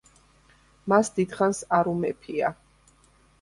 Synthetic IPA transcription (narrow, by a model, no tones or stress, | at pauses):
masd̪id̪χansaɾumɛpʰia